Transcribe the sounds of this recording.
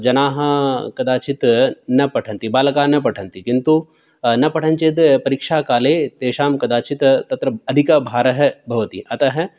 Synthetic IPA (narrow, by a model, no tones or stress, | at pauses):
d͡ʒɐnaːɦɐkɐd̪aːt͡ʃit̪nɐpɐʈʰɐ̃nt̪ibaːlɐkaːnɐp̬ɐʈʰɐ̃nt̪ikint̪u | nɐpɐʈʰɐ̃nt͡ʃit̪pɐɾikʃaːkaːleːt̪eːʃaːmkɐd̪aːt͡ʃit̪t̪ɐt̪ɾɐɐd̪ʱikɐbʱaːɾɐɦbʱɐʋɐt̪ḭʔɐt̪ɐɦɛ